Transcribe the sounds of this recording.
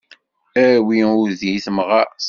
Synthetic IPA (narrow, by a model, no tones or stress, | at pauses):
æwiuðiθməʁæs